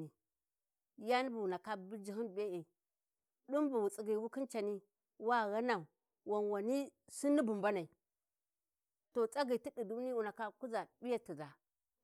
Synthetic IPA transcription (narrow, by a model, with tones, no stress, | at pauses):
i˨ | ja˦ni˦bu˨wu˨na˨ka˦bi˦d͡ʒi˨hi˦n˨be˦e˨ | ɗu˦mbu˨wu˨t͡sʼi˨ɡi˨wu˦ki˦nt͡ʃa˨ni˦ | wa˦ɣa˦na˨u˨ | wa˨nwa˨ni˦si˦ni˦bu˨mba˦na˨i˨ | to˨t͡sʼa˦ɡi˨ti˦di˨du˦ni˦wu˨na˨ka˦ku˦za˨bi˦ja˦ti˨za˨